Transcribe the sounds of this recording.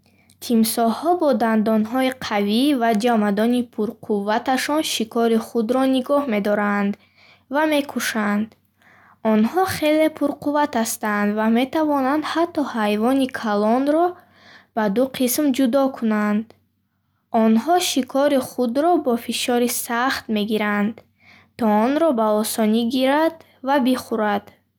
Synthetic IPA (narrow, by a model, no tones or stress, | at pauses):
t̪ʰimsɔhɔbɔd̪and̪ɔnɦɔiqʰavivad͡ʒamad̪ɔnipʰuɾqʰuvːat̪aʃɔnʃikʰɔɾiχud̪ɾɔniɡɔhme̞d̪ɔɾand̪ | vame̞kʰuʃand̪ | ɔnhɔχe̞le̞pʰuɾquvat̪ast̪and̪vame̞t̪avɔnand̪hat̪ːɔhajvɔnikʰalɔnɾɔ | b̥ad̪uqʰismd͡ʒud̪ɔkʰunand̪ | ɔnɦɔʃikʰɔɾiχud̪ɾɔbɔfiʃɔɾisaχt̪me̞ɡiɾand̪ | t̪ʰɔɔnɾɔbaɔsɔniɡiɾad̪ | vabiχuɾad̪̥